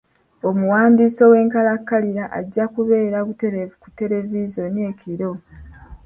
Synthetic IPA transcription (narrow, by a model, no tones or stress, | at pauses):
omuwaːndiːso̞we̞ːŋkalakːaliɾaʔa̰ɟːakuβe̞ːɾaβute̞ɾeku̥te̞le̞vizo̞ne̞kʰiɾo̞